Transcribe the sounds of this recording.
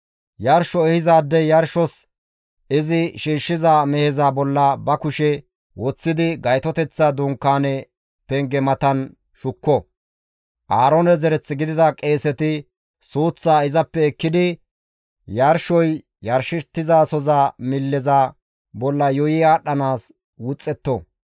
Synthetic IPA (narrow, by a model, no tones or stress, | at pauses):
jɐɾʃɔɛhɪzaːd̪ːɛjɐɾʃɔs | ɪzɪʃiːʃːɪzaːmɛhɛzabɔlːɐbɐkʊʃɛ | wɔt͡sːɪd̪ɪɡɐjt̪ɔt̪ɛt͡sːad̪ʊŋkːaːnɛ | pɛŋɡɛmɐt̪ɐn | ʃʊkːɔ | ʔaːɾɔnɛzɛɾɛt͡sːɪɡɪd̪ɪd̪ɐkʼeːsɛt̪ɪ | suːt͡sːaːɪzɐpːɛːkːɪd̪ɪ | jɐɾʃɔj | jɐɾʃɪt̪ːɪzaːsɔzaːmɪlːɛzaː | bɔlːɐjɔjɪaːɗɐnaːs | wʊt͡sʼːɛt̪ːɔ